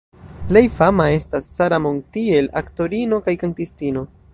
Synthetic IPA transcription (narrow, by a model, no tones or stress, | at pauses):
ple̞jfamae̞stasːaɾamontie̞lakto̞ɾino̞kajkaŋtistino̞